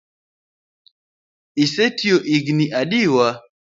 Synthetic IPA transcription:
isetioʔiɡniʔaɗiwa

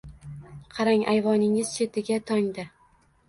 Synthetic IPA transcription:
qʰɑɾaŋʔajvɒnɪŋɪz̥t͡ʃʰe̞t̪ɪɡʲat̪ʰɒŋd̪a

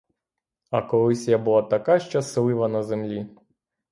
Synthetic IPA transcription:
ɐkɔlˠɪsʲjabulˠat̪ɐkaʃt͡ʃɛslˠɪʋɐnɐzemlʲi

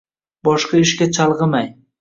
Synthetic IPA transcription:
bɒʃqɑɪʃkʲat͡ʃʰɑlˠʁɨmaj

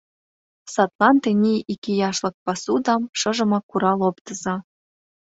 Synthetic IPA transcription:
sɑt̪lˠɑnt̪enʲijikʲijɑʃlˠɤ̆k̚pɑsud̪ɑmʃɤ̆ʒɤ̆mɑkuɾɑlopt̪ɤ̆zɑ

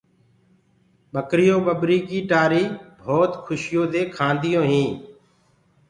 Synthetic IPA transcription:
ɓəkɾɪjõːɓəɓɾiːkiːʈaːɾiːbʱoːt̪kʰʊʃɪjõːd̪eːkʰãːnd̪ɪjõːɦĩː

